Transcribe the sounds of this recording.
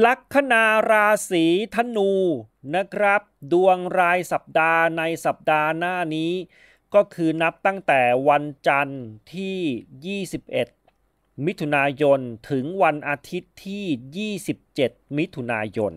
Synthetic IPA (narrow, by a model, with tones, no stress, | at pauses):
la˦˥kʰːa˧naː˧ɾaː˧siː˩˦t̪ʰa˧nuː˧ | na˦˥kʰɾa˦˥p̚du˧əŋɾaː˧jsa˨˩p̚daː˧na˧jsa˨˩p̚daː˧naː˥˩niː˦˥ | kɔː˥˩kʰɯː˧na˦˥p̚t̪a˥˩ŋt̪ɛː˨˩wa˧nt͡ɕa˧nt̪ʰiː˥˩jiː˥˩si˨˩p̚ʔe˨˩t̪̚ | mi˦˥t̪ʰːu˧naː˧jo˧nt̪ʰɯ˩˦ŋwa˧nʔaː˧t̪ʰi˦˥t̪ʰːiː˥˩jiː˥˩si˨˩p̚t͡ɕe˨˩t̪̚mi˦˥t̪ʰːu˧naː˧jo̰˧n